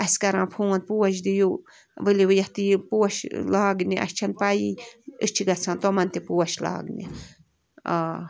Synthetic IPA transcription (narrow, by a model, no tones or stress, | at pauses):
ɐskɐɾãːpʰuːɐnt̪̚puwɐʃ̬d̪iju | ʋɨliʋɨjɐht̪ipuwɐʃlaːɡniʔɐ̰ʃt͡ʃʰɐnpajiɨt͡ʃʰiɡɐt͡sʰãːnt̪omɐnt̪ipuwɐʃla̰ːɡnḭ | a